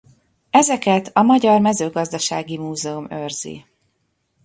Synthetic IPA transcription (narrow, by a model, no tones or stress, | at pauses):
ɛzɛkɛt̪ɒmɒɟɒrmɛzøːɡɒzd̪ɒʃaːɡimuːzɛumørzḭ